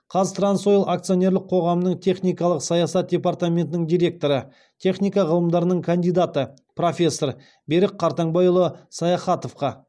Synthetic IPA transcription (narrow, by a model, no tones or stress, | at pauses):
qʰɑzt̪ranso̞jəlˠʔakt̪sɨio̞nʲe̞ɾlˠɪq̚qʰo̞ʁɑmənəɴt̪ʲʰe̞χnʲijkɑlˠəqsɑjɑsɑt̪̚d̪ʲe̞part̪amʲe̞nt̪ɪnɪŋd̪ijɾʲe̞k̚t̪o̞ɾə | t̪ʲʰe̞χnʲijkɑʁəlˠəmd̪ɑɾənəɴkʰand̪ijd̪at̪ə | pro̞fʲe̞sːo̞r | be̞ɾɪk̚qʰːɑɾt̪ɑɴbɑjʊlˠəsɑjɑχɑt̪o̞fqɑ